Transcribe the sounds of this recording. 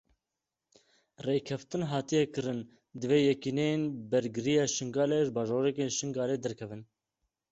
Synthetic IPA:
reːkʰɛft̪ɨnɦɑːt̪ijɛkɨɾɨn | d̪ɨveːjɛkineenbɛɾɡɨɾijɑːʃɨŋɡɑːleʒbɑːʒoːɾɛkeːnʃɨŋɡɑːleːd̪ɛɾkʰɛvɨn

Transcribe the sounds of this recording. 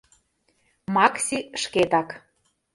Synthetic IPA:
mɑksʲiʃket̪ɑk

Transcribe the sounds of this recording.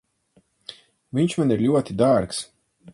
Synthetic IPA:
viɲt͡ʃmaniɾlʲuɔt̪id̪aɾks

